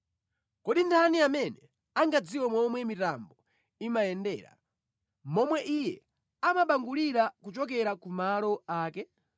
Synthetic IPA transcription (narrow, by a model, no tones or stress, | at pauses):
kɔɗintʰaniamɛnɛ | aŋɡad͡ziwɔmɔmwɛmitambɔ | imajɛndɛ̰ːɾa̰ | mɔmwɛʔijɛ̰ | amaɓaŋɡuliɾakut͡ʃɔk̬ɛɾakumalɔaːkɛ